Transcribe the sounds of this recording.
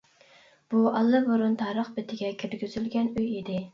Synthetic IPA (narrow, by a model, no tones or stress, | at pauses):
b̥uʔɑlˠːɨboɾunt̪ʰɑːɾəχbɪt̪ʰɪɡʲɛkʲʰyɾɡʲyz̥ylɡʲɛnyjɪd̪ɪ